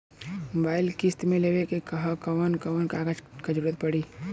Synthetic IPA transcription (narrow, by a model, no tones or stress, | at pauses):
mobaːɪlkɪst̪mẽleːʋekekɐɦakɐʋənkɐʋənkaːɡad͡ʒkad͡ʒəɾuːɾət̪̚pɐɽiː